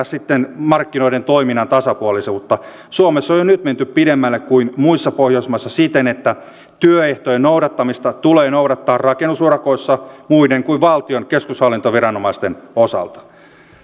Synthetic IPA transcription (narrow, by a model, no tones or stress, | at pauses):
ssit̪ːenmɑrkːino̞ident̪oiminɑnt̪ɑsɑpuolisemut̪ːɑ | suomesːojonyt̪ment̪yppidemːælːekkuinmuisːɑpohjoismɑsːɑsit̪enet̪ːæ | t̪yøeht̪ojenouɾɑt̪ːɑmist̪ɑt̪uleːnouɾɑt̪ːɑːrrɑkenːusuoɾɑkoisːɑmuideŋkuiʋʋɑlt̪ionkeskushɑlːint̪oʋirɑnomɑist̪enosɑ̰lt̪ɑ̥